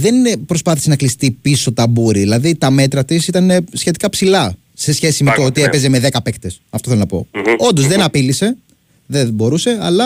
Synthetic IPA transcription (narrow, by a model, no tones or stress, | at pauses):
ðe̞npɾospɐθisenɐklist̪ipiso̞t̪ɐbuɾiðilɐðit̪ɐme̞t̪ɾɐt̪isit̪ɐnesçe̞t̪ikɐpsilɐ | se̞sçe̞sime̞t̪oot̪ie̞peze̞me̞ðe̞kɐpe̞kt̪e̞sɐft̪oθelonɐpo̞̰o̞nd̪o̞zðe̞nɐpilise̞ | ðebo̞ɾuse̞ɐlɐ